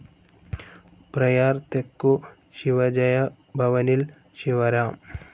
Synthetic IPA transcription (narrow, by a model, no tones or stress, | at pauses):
pɾɐjaɾt̪ekːu | ɕiʋɐd͡ʒɐja | bʱɐʋɐnil | ɕiʋɐɾam